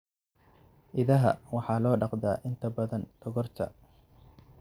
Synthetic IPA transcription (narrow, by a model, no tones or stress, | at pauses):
ʔɪðɐɦɐ̰wɑħɑːlɔːɖɑqd̪aːʔɪnt̪ʰɐbɐðɐnd̪̥ɔɣɔrt̪ʰɐ̰